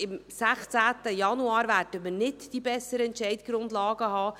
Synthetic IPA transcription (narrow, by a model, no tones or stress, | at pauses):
ɪmsæχt͡sæːtəjɑnuɑːɾvæːrdəmərnɪtd̥ibɛsːəɾəɛntt͡ʃɛɪtɡ̥ɾʊndlɑːɡəhɑː